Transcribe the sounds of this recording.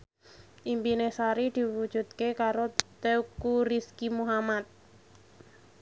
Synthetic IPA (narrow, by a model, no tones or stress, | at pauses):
ʔimpinesaɾid̪̥i̤wud̥ʒ̥ṳt̪̚kekaɾot̪eukuɾiskimuɦamat̪̚